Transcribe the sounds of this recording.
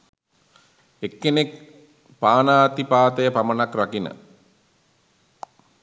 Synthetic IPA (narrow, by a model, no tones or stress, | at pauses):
ekːenek | paːnaːt̪ipaːt̪əjəpamənakrakinə̰